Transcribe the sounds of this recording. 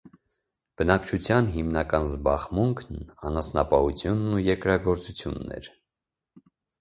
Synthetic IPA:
b̥ənɑkt͡ʃʰut͡sʰjɑnɦimnɑkɑnzbɑʁmuŋkʰnɑnɑsnɑpɑhut͡sʰjunːujɛɾkɾɑɡɔɾt͡sut͡sʰjṵnːɛ̰ɾ

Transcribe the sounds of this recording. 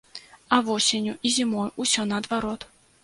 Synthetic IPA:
ɐvɔsʲenʲuʔizʲimɔjusʲɔnɐːd̪vaɾɔt̪

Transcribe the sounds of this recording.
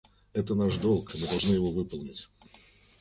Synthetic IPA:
ɛt̪ənaʂd̪o̞lˠkɪmɨd̪ɐlˠʐnɨjɪvo̞vɨpəlˠnʲɪtʲ

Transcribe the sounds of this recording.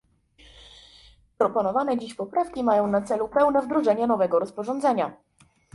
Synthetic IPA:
pɾɔpɔnɔvanɛd͡ʑiɕpɔpɾafkʲimajɔ̃w̃nat̪sɛlupɛwnɛvd̪ɾɔʐɛɲɛnɔvɛɡɔɾɔspɔʐɔnd̪zɛɲa

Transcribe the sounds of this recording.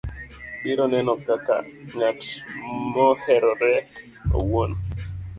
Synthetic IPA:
dɪɾɔnɛnɔkaka̰ŋatmɔhɛɾɔɾɛ | o̰won

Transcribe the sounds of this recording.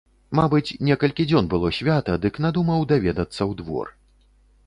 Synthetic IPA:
mabɨt͡sʲnʲɛkɐlʲkʲid͡zʲɔnbɨlˠɔsʲvʲat̪ɐd̪ɨknad̪umɐwd̪avʲɛd̪ɐt̪sːɐwd̪vɔ̰r

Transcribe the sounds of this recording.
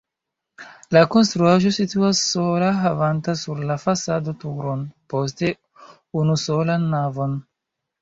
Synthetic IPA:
lako̞nstɾuaʒo̞situasːolaɦavantasuɾlafasado̞tuɾo̞npo̞s̬te̞ | unuso̞lanːavo̞n

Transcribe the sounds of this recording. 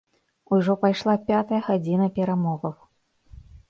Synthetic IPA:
uʐɔpajʂlˠapʲat̪ɐjɐɣad͡zʲinɐpʲɛɾamɔɣɐw

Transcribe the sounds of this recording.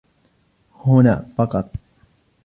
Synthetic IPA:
hʊna̰pakat̪̚

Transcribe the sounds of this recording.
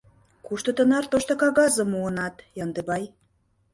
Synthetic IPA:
kuʃt̪ŏt̪ə̆nɑrt̪oʃt̪okɑɣɑzə̆muənɑt̪jɑnd̪ebɑj

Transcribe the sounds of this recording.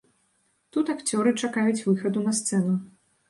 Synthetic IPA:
t̪ut̪akt͡sʲɔɾɨt͡ʂakajut͡sʲvɨxɐd̪unɐst̪sɛnu

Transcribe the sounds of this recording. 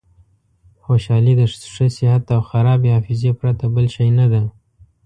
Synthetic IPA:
xoʃɑlid̪əʂəsɪhat̪awxaɾɑbehɑfɪzepɾat̪abəlʃajnad̪a

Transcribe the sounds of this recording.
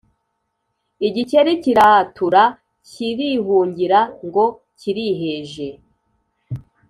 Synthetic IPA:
iɟiceɾiciɾatuɾa | ciɾiɦuːɲɟiɾaŋɡo̞ | ciɾiɦeʒe̞

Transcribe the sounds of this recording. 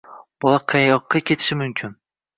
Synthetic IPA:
b̥ɒlˠaqʰɑjɒqːɑkʲʰe̞t̪ʰɪ̥ʃɪmʊmkʲʰɪn

